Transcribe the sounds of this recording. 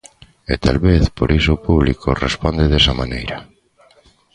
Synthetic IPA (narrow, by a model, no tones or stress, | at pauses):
ḛt̪a̰lβeθpoɾʔisʊːpuβlikʰorḛspɔnd̪eðesamanejɾɐ